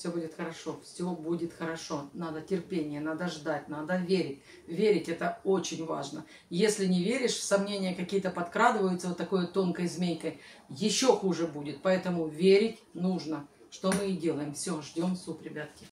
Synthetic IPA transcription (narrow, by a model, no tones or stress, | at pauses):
fsʲɵbudʲɪt̪xəɾɐʂo̞fsʲobudʲɪt̪xəɾɐʂo̞nad̪ətʲɪrpʲenʲɪjənad̪əʐd̪at̚ʲnad̪əvʲeɾʲɪtʲ | vʲeɾʲɪtʲɛt̪əot͡ɕɪnʲva̰ʐnə | jesʲlʲɪnʲɪvʲeɾʲɪʂsɐmnʲenʲɪjəkɐkʲijət̪əpɐt̪kɾad̪ɨvəjʊt̪səvot̪ːɐko̞jət̪o̞nkəjzmʲejkəjjɪɕːo̞xuʐɨbudʲɪt̪̚pɐɛt̪əmʊvʲeɾʲɪtʲnuʐnə | ʂt̪o̞mɨdʲe̞lˠəjɪmfsʲo̞ʐdʲo̞msupɾʲɪbʲat̪kʲɪ